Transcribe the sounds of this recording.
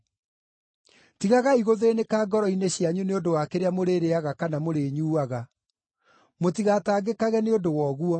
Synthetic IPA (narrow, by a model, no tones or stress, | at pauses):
tiɣaɣaiɣoðenekaːɡɔɾɔineɕjaɲuneondowakeɾeamoɾeɾeaɣakanamoɾeːɲuːaɣa | motiɣataːɡekaɣɛneodowɔːɣuɔ